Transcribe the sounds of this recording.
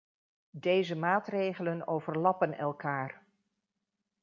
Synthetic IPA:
dejzəmaːtrejχələnowvəɹlɑpənɛlˠkaːr

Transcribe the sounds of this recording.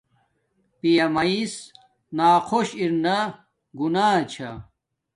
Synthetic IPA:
pijɐmɐis | naːqʰoɕiɾnɐ | ɡunaːt͡ɕʰɐ̰

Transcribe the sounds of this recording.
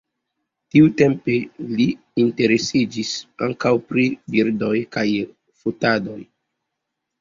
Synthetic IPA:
tiute̞mpe̞liː | nte̞ɾe̞sid͡ʒisaŋkawpɾibiɾdo̞jkaj | futado̞j

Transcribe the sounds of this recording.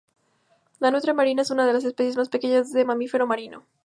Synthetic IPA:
lanut̪ɾemaɾinae̞sunaðe̞las̬e̞spe̞sjezmaspe̞ke̞ɲazðemamife̞ɾo̞maɾino̰

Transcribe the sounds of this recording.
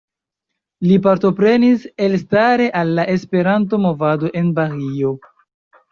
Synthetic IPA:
lipaɾto̞pɾe̞niselstaɾe̞ʔalːaʔe̞spe̞ɾanto̞mo̞vado̞ʔe̞nbaɾio̞

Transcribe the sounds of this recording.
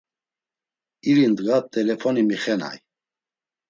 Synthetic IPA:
iɾind̪ɡat̪ʼɛlɛfɔnimiχɛna̰j

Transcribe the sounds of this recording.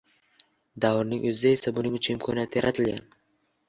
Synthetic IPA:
d̪awɾnɪŋʔɵzɪd̪ae̞sabʊnɪŋʊt͡ʃʰʊnɪmkʰɒnijat̪ʰɪjaɾʔat̪ʰɪlɡʲan

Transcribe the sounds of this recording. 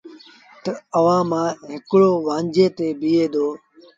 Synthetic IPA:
t̪əəʋãːmãːɦɪkɽoːʋãːɲd͡ʒẽːt̪eːbiːeːd̪oː

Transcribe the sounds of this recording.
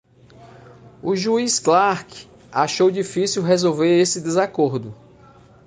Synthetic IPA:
uʒuisklaɾk | aʃowd͡ʒifisiwɦezowveɾesɪd̪ezakoɾd̪ʊ

